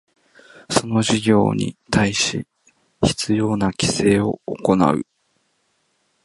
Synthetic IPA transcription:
so̞no̞ʑiɡʲo̞̰ːɲ̟ḭt̪ʰaiɕḭ | çi̥t͡sɨjo̞ːnakʲi̥se̞ːo̞ːko̞na̰ɯ̟̰

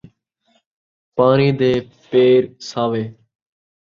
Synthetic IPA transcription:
paːniːd̪eː | peːɾsaːʋeː

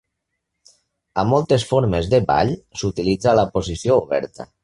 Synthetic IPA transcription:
amːɔlˠt̪esfoɾmezðeba̰ʎsut̪ilid͡zalapozisiouβɛ̰ɾt̪ə̰

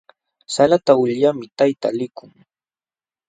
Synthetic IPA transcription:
salat̪aʊʎʎamɪt̪ajt̪a̰lɪkʊŋ

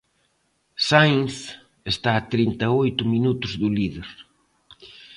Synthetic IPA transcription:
sajŋs | est̪aːt̪ɾint̪aojt̪ʊminut̪ʊzðuliðeɾ

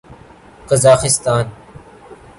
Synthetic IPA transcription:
qəzaːxɪst̪aːn

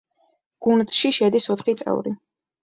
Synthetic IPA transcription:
ɡ̥und̪ʃiʃɛd̪isɔt̪ʰχit̪sʼɛ̰vɾi

